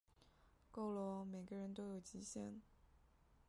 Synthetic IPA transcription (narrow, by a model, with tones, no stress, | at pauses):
ko˥˩ʊlɔ˧˥me˨˩ɪɡə˦ɻə˧˥nt̪̬o˥ʊjo˨˩ʊt͡ɕi˧˥ɕjɛ̰˥˩n